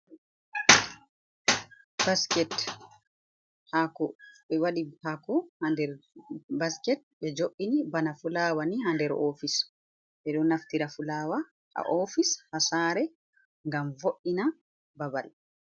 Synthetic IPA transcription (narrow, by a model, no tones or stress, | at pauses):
baskɛt | hakɔɓɛwaɗipakɔhandɛɾbaskɛt̚ɓɛd͡ʒoʔinibanafulaːwanihandɛɾʔofis | ɓɛɗɔnaftiɾafulaːwa | ha̰ʔofishasaːɾɛ | ŋɡamvoʔina | babal